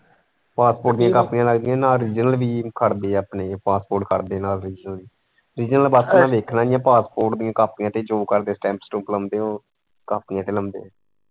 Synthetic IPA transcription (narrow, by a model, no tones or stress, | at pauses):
paːspoːɾʈ̚d̪ɪjãːkapnɪjãːləɡd̪ijãːnãːɾiːd͡ʒnəlʋiːkʰəɾd̪eːəpneːpaːspoːɾʈkʰəɾd̪eːnaːlɾiːd͡ʒnəli | ɾiːd͡ʒnəlbəsənãːʋeːkʰnaːɪjãːpaːspoːɾʈd̪ɪjãːkaːpnɪjãːt̪eːd͡ʒoːkəɾd̪eːsʈɛ̃ːmpsʈuːpləmd̪eːõː | kaːpnɪjãːt̪eːləmd̪ḛ̃ː